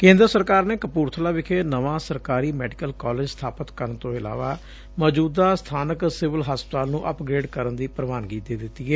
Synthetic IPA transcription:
kẽːnd̪ɾəsəɾkaːɾneːkəpuːɾt̪ʰəlaːʋɪkʰeːnəʋãːsəɾkaːɾiːmɛːɖɪkəlkɔːleːd͡ʒst̪ʰaːpət̪kəɾənt̪õːɪla̰ːʋa̰ː | mɔːd͡ʒuːd̪aːst̪ʰaːnəksɪʋəlɦaːspət̪aːlnũːʔəpɡɾeːɖkəɾənd̪iːpɾəʋaːnɡiːeːd̪ɪt̪ːiːɛː

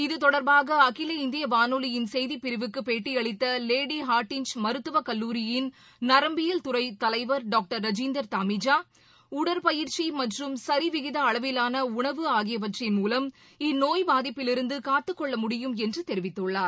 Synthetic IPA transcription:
ɪðɯt̪ɔɽɐɾbaːɣɐːkɪlɐɪnd̪ɪjɐʋaːnuːlɪjɪnsɛjðipɪɾɪʋɯkːɯpeːʈːiɐɭɪt̪ːɐleːɽiɦaːɾʈːɪnt͡ʃmɐɾɯt̪ːɯʋɐkɐlːuːɾɪjɪn | nɐɾɐmbɪjɐlt̪ʊɾɐɪt̪ɐlɐɪʋɐɾɖaːk̚ʈɐɾːɐd͡ʒind̪ɐɾt̪aːmɪd͡ʒaː | ʊɽɐɾpɐjɪɾt͡ʃimɐʈrɯmsɐɾiʋɪɣɪðɐːɭɐʋɪlaːnɐʊɳɐʋɯaːɣɪjɐʋɐʈrɪnmuːlɐm | ɪnoːjbaːðɪpːɪlɪɾɯnd̪ɯkaːt̪ːɯkːɔɭːɐmʊɽɪjɯmɛndrɯt̪ɛɾɪʋɪt̪ːɯɭːaːɾ

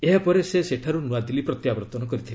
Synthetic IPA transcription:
eɦapɔɾeseseʈʰaɾunuad̪ilipɾɔt̪jabɔɾɔt̪ɔnɔkɔɾit̪ʰil

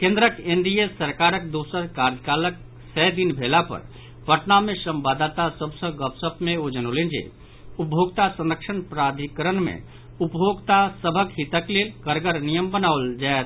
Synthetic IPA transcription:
kẽnd̪ɾəkend̪ijesəɾkaɾək̚d̪osəɾkaɾd͡ʒəkalək̚ | səd̪inbʱelapə̰ɾ | bʱəʈnamesə̃mbad̪at̪asəbsə̃ɡəpsəpmẽod͡ʒənolend͡ʒḛ | upjʱoɡt̪asə̃nɾəkʃʰənpɾad̪ʱikəɾənmḛ̃ | upbʱoɡt̪asəbʱəkɦit̪əklelkəɾɡəɾnijəmbənaʋld͡ʒaet̪

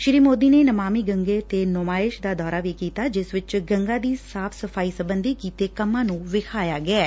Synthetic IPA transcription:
ʃɪɾiːmoːd̪iːneːnəmaːmiːɡəŋɡeːt̪eːnʊmaːɪʃd̪aːd̪ɔːɾaːʋiːkiːt̪aːd͡ʒɪsʋɪt͡ʃɡəŋɡaːd̪iːsaːpʰsəpʰaːiːsəbənd̪iːkiːt̪eːkəmːãːnũːʋɪkʰaːjaːɡɪɛː

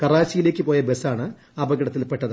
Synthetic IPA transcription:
kɐraːt͡ɕːijile̞ːkʲːɨpo̞ːjɐbe̞saːɳɨ | ɐbɐɡɐɽɐt̪ːilpe̞ʈːɐðɨ

